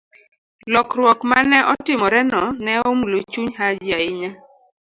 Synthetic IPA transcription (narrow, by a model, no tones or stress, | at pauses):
lɔkɾwɔkmanɛʔɔtɪmɔɾɛnɔnɛɔmulot͡ʃuɲɦad͡ʒjaɪɲa